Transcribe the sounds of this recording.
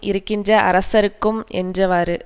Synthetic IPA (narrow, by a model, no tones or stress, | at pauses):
ʔɪɾɯkːɪndrɐʔɐ̰ɾɐsɐɾɯkːɯmʔɛ̰ndrɐʋaːɾɯ